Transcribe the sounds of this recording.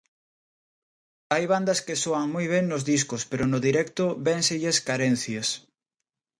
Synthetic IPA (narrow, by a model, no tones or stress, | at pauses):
ajβand̪ɐskesoɐŋmojβ̞ɛŋnʊzðiskʊspeɾʊnʊðiɾɛkt̪ʊβɛnseʎeskaɾɛn̟θjɐs